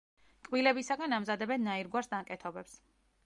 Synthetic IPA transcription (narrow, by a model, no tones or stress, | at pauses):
kʼwilɛbisaɡanamzad̪ɛbɛnːaiɾɡwaɾsd̪aŋkʼɛt̪ʰɔbɛps